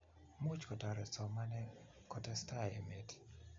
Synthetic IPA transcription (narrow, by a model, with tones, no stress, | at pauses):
mu˦t͡ʃkɔta˨ɾɛ˨sɔ˨ma˦nɛ | kɔtɛstae˨met